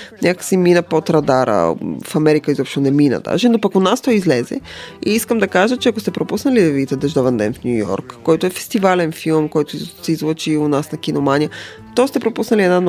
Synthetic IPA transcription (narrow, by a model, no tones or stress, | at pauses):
nʲʔakəksiminəpot̪ɾɐd̪aɾə̰fɐmɛɾikəizɔpʃt̪onɛminə̰d̪a̰ʒɛnopɐkonast̪ɔizlɛzɛ̰ḭiskəmd̪ɐkaʒət͡ʃɛɐkost̪ɛpɾopusnɐliɛvit̪ɛd̪ɛʒd̪ɔvɛnd̪ɛnfnʲujɔ̰ɾkːɔjt̪oɛfɛ̥st̪ivalɛnfilˠmkɔjt̪ʊsɛizvlˠot͡ʃiʊnasnɐkʲinomanʲijə | t̪ɔst̪ɛpɾopusnɐliɛd̪nan